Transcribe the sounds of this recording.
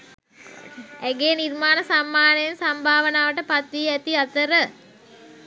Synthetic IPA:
æɡeːnirmaːnəsamːaːnəjensambʱaːʋənaːʋəʈəpat̪ʋiːæt̪iat̪əɾə

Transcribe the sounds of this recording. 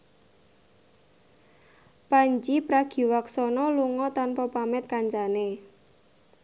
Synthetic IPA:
paɲt͡ʃipɾaɡ̥i̤waksɔnɔluŋɔt̪anpɔpamɛt̪̚kaɲt͡ʃane

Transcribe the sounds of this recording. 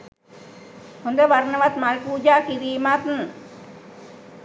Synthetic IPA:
hund̪eʋaɾnəʋat̪̚malpud͡ʒakiɾiːmat̪n

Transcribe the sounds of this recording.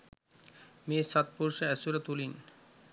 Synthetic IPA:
mesat̪̚puɾʃeɛsuɾat̪ulin

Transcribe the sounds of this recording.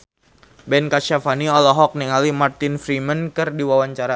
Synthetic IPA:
bɛnkaʃafaniɔlɔɦɔk̚niŋalimart̪ɪnfɾimənkɨrdiwawaɲt͡ʃaɾa

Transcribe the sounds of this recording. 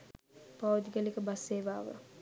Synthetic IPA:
paʋd̪ikəlikəbasːeːʋaːʋə̰

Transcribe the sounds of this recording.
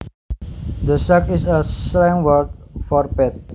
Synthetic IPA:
d̪əsakisəslɛ̃ŋwərt̪̚fɔrpɛt̪̚

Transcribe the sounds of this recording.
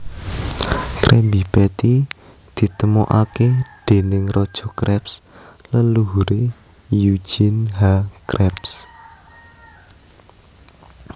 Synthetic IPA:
kɾʔɛmbipɛt̪i | d̪̥i̤t̪əmɔʔaked̪̥e̤nɪŋrɔd̥ʒ̥ɔ̤kɾɛpslanluɦuɾe | ju̥d͡ʒ̥inɦakɾɛps

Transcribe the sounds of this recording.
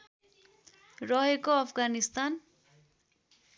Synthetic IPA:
rʌɦekoʌpʰɡanist̪an

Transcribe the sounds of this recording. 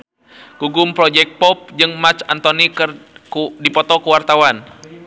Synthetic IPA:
ɡ̥uɡʊmpɾɔd͡ʒɛk̚t̪̚pɔp̚d͡ʒɨŋmat͡ʃant̪onikɨrkdipɔt̪ɔkuwart̪awan

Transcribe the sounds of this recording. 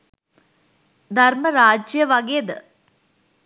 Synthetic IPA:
d̪ʱɐrməɾaːd͡ʒjɐʋɐɡeːd̪ə

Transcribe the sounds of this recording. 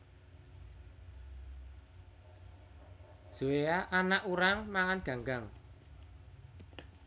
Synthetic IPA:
z̥ueaʔanaʔuɾaŋmaŋanɡ̥ä̤ŋɡaŋ

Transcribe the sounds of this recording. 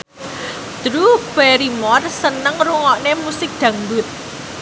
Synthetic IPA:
d̪̥ɾub̥ɛɾimɔrsənəŋruŋɔʔnemusɪk̚d̪̥ä̤ŋbʊt̪̚

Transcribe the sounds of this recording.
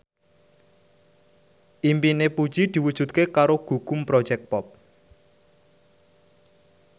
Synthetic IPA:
ʔimpinepud̥ʒ̥id̪̥i̤wud̥ʒ̥ṳt̪̚kekaɾoɡ̥ṳɡ̥ʊmpɾɔd̥ʒ̥ɛk̚pɔp̚

